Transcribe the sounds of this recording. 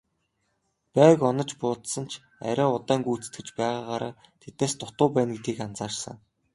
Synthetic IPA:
pæːkɔnə̆t͡ɕpʊːt̪sə̆n̥t͡ɕʰ | æ̰ɾʲaːʊt̪æːŋɡuːt͡sɘ̥̆t̪ɡɘ̆t͡ɕpæːʁaːʁaːɾa̰ː | t̪ʰet̪neːst̪ʊt̪ʊːpæːnɡet̪ɡiːkant͡saːrsə̰̆ŋ

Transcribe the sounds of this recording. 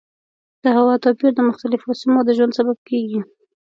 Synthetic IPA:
d̪̥əhawɑt̪ɑpiɾd̪əmʊxt̪alɪfosimod̪əʒwand̪sabab̚keɡi

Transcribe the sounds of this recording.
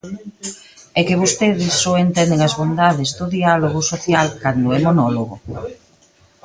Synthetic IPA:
ɛkeβost̪eðɪsːoent̪ɛnd̪eŋɐzβond̪aðezd̪oðialoɣosoθjalkand̪ʊɛmonoloɣo

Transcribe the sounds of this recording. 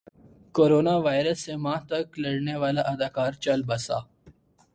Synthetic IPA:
koːɾoːnaʋaːjɾəsːemãːt̪ɐklɐɽneʋaːlaʔɐd̪aːkaːɾt͡ʃɐlbɐsa̰ː

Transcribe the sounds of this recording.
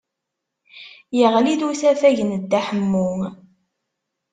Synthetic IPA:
jəʁliðuθæfæʝənəd̪ːæħəmːu

